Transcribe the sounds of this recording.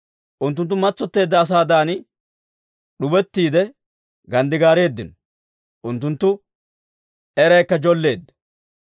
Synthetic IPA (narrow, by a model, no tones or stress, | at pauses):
ʔʊnt̪ːʊnt̪ːʊmɐt͡sːɔt̪ːe̞ːd̪ːɐːs̬aːd̪aːnɪ | ɗʊbɛt̪ːiːd̪ɛ | ɡɐnd̪ɪɡaːɾe̞ːd̪ːɪnɔ | ʔʊnt̪ːʊnt̪ːʊ | ɛɾɐjkːɐd͡ʒɔlːe̞ːd̪ːɐ̥